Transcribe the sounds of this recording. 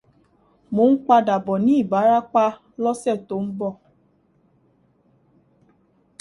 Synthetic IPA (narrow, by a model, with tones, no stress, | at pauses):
mo˨˦ŋ̩˦k͡pa˧da˨bɔ˨ni˦˨ba˨˦ɾa˦k͡pa˦ | lɔ˦sɛ˦˨to˨˦m̩˦bɔ˦˨